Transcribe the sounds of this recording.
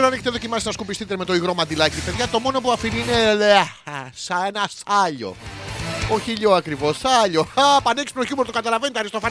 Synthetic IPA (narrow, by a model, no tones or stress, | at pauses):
ɾɐneçet̪eðo̞cimɐsit̪nɐskupist̪it̪eme̞t̪o̞iɣɾo̞mɐnd̪ilɐciipe̞ðʝɐt̪o̞mo̞no̞puɐfinineleasɐnɐsɐʎo̞̰ | oçiʎoɐkɾivo̞sɐʎoapɐneksmnoçumeɾt̪okɐt̪ɐlɐvenit̪ɐɾist̪ofɐ